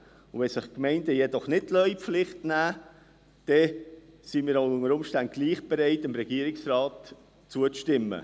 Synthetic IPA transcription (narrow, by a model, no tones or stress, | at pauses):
ʊʋɛsɪχkmɛɪndəjɛdɔχnɪt̚lœʏflɪχtnæː | d̥ɛsimiːɾaʊʊŋəɾʊmʃtant̚ɡ̥liːχb̥eɾɛɪtɪmɾɛɡ̥iːəɾɪksrɑːt | t͡suət͡stɪmːə̰